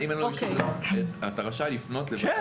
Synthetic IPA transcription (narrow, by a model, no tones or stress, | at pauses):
imenloʃleat̪aʁaʃalifno̞t̪le